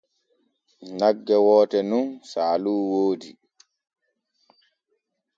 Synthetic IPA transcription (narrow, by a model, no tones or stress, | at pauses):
naɡːɛwɔːtɛnunsaːluːwoːdi